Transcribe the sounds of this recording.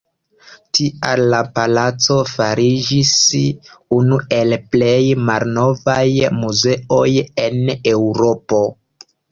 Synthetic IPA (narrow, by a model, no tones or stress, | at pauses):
tiʔalːapalat͡so̞faɾid͡ʒis | unue̞lple̞jmalno̞vajmuze̞o̞je̞newɾo̞po̞